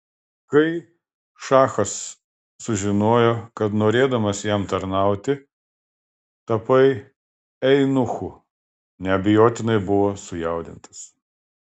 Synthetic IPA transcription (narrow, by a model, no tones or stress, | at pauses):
kɐɪ | ʃɑːxɐsː | ʊʒʲɪnoːjokɐt̪noːɾʲeːd̪ɐmɐsjɛmt̪ɐɾnɑˑʊt̪ʲɪ | t̪ɐpɐɪ | ɛɪnʊxʊ | nʲɛɐbʲɪjoːt̪ʲɪnɐɪbʊʋoːsʊjɛˑʊd̪ʲɪnt̪ɐ̥s